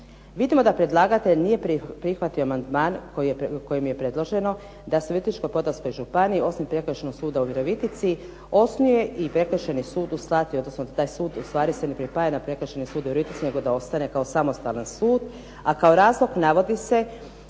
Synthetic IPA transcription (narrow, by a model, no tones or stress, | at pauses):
ʋid̪imo̞d̪apɾe̞d̪lˠaɡat̪e̞ʎnije̞ppɾixʋat̪ioamand̪maːnkoko̞jimje̞pɾe̞d̪lˠo̞ʒe̞no̞ | d̪aseuit̪it͡ʃkojpo̞d̪asko̞jʒupaniio̞sujmepɾe̞kɾ̩ʃenoɡ̥suːd̪auʋiɾoʋit̪it̪si | osnuje̞ʔipɾe̞kr̩ʃenisuːd̪ust̪lˠat̪iod̪no̞snod̪at̪aːjsuːd̪ust̪ʋaːɾisenepɾipajanapɾe̞kɾ̩ʃenisuːd̪ijɾoit̪it̪sine̞ɡo̞d̪ao̞st̪ane̞kaosamo̞st̪alansuːd̪ | akao̞ɾaːzlo̞ɡnaʋo̞d̪ise̞